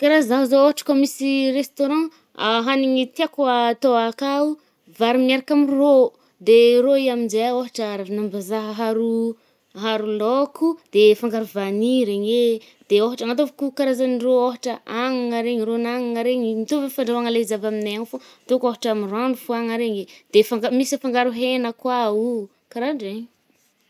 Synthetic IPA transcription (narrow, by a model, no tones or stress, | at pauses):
kaɾazaɦuzooɦaʈ͡ʂə̥komisirest̪oɾɑ̃ | aɦaniŋit̪iakwaːt̪oakau | vaɾimiaɾakamiro | d̪eɾoiaminzeoɦaʈ͡ʂaɾavnambazaɦəɦaɾu | ɦaɾulokʰud̪̥efaŋɡaɾuvaniɾeɲe | d̪̥eoɦaʈ͡ʂaŋat̪̬ovakukaɾazanirooɦaʈ͡ʂəaŋaŋaɾeɲiɾonaŋaŋaɾeɲimit̪ovefaɳɖ͡ʐawaŋaleizavamineaŋfot̪okoɦaʈ͡ʂamiranufuaŋaɾeɲed̪̥efaŋɡamisəfaŋɡaɾuɦenəkwau | kaɾaɖ͡ʐeɲ